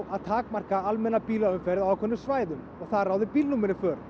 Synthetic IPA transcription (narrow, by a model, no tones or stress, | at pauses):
wʔaðt̪ʰaːkmar̥kaalmɛnːapiːlaʏmfɛɾðaakʰɔœnːʏsvaːjðʏm | ɔɣθaðraːwðɪpiːlnuːmɪnːɪfœːɾ̥